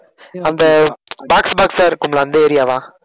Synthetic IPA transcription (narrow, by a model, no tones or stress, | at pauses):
ɐnd̪ɐbaːksbaːksaːɾkʊmlaɐnd̪ɐɛɾɪjaːʋãː